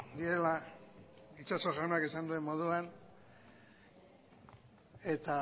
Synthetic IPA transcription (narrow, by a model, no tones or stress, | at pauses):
d̪iɾe̞la | it͡ʃaso̞ʝawnoakisand̪ue̞mːo̞ð̞uan | e̞t̪a